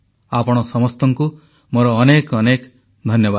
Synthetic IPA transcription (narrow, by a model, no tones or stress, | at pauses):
apɔɽ̃ɔsɔmɔst̪ɔŋku | moɾɔːnekɔnek | d̪ʱɔnjɔba